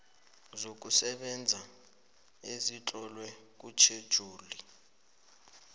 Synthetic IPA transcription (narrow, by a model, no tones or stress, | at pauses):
zok̬usɛɓɛnd͡zʱa | ezit͡ɬʼɔlwɛk̬ut͡ʃʰed̥ʒ̥ʱuːli